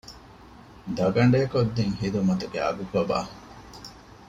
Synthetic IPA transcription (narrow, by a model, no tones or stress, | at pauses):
d̪ɐɡɐɳɖeːkod̪ːeŋhid̪umɐt̪uɡeɐ̰ɡukɐba̰ː